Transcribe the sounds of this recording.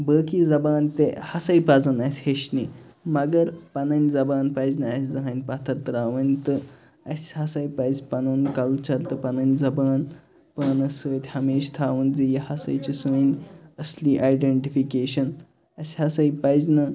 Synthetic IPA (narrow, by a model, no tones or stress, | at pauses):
bəːkiːd͡zɐbaːnt̪ehɐsɐjpad͡zɐnasʲheɕnimɐɡɐɾpɐnɐnʲd͡zɐbaːnpɐjznɐːsʲzɐɦanʲpat̪ʰɐt̪ɾaːʋənʲt̪ɨ | ɐ̰sʲhɐsɐjpɐjzpɐnoːnkɐlt͡ʃɐɾt̪ɨpɐnɐnʲd͡zɐbaːn | paːnɐsəːt̪ʲhɐmeːʃt̪ʰaːʋənzijɐhɐsɐ̰jt͡ɕisənɐsliːʔajɖeɳʈifikeːɕɐn | ɐsʲhɐsɐjipajznɐ